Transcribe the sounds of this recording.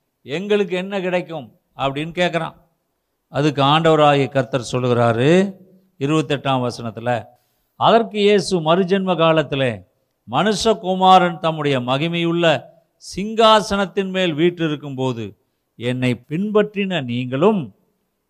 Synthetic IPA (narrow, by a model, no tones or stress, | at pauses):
ɛŋɡɐɭɯkːɯɛnːɐkɪɽɐɪkːɯm | ɐpːɐɽɪnːɯkeːʈkːɐɾã̰ː | ɐðɯkːɯaːɳɖɐʋɐɾaːɣɪɐkɐɾt̪ːɐɾsɔlːɯɣɪɾaːɾɯ | ɪɾɯbɐt̪ːɛʈːaːmʋɐsɐnɐt̪ːɪlɐ | ɐðɐrkɯjeːsɯmɐɾɯd͡ʒɛnmɐkaːlɐt̪ːɪleː | mɐnɯʂɐkʊmaːɾɐnt̪ɐmːɯɽɐjɐmɐɣɪmɐjɯɭːɐ | sɪŋɡaːsɐɳɐt̪ːɪnmeːlʋiːʈrɪɾɯkːɯmpoːðɯ̰ | ɛnːɐɪpɪnbɐʈrɪnɐniːŋɡɐɭɯm